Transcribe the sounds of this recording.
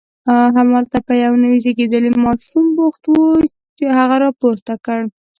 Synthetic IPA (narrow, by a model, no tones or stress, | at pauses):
ɦamɑlt̪apəjawnəwizeɡed̪əlemɑʃumbʊxt̪wu | t͡ʃehaɣaɾɑpoɾt̪akəɽ